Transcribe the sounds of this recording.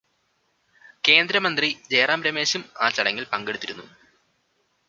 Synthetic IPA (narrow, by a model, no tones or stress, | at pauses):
ke̞ːnd̪ɾɐmɐnd̪rid͡ʑeːraːmɾɐme̞ːɕumaːt͡ɕɐɽɐŋːilpɐŋɡe̞ɽut̪ːiɾunːu